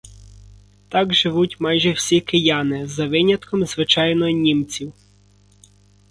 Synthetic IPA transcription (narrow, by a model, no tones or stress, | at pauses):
t̪ɑɡʒɪʋutʲmɑjʒɛwsʲikɪjɑnɪzɐʋɪnʲɐt̪kʰɔmzʋɪt͡ʃɑjnɔɔnʲimt͡sʲiw